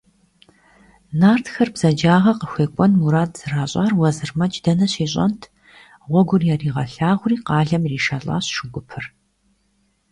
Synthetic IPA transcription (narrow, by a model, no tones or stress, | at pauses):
naːrtʰxɐrbz̥ɐd͡ʒaːʁɐqəxʷeːkʷʼɔnmuɾaːtz̥ɨraːɕʼaːrwɐzɨrmɐt͡ʃʼdɐnɐɕiːɕʼɐ̰ntʰ | ʁʷɔɡʷʊrjaːriːʁɐɬaːʁʷriːqɑːɮɐmriːʃaːɬʼa̰ːɕʃɪɡʷʊpʰɨr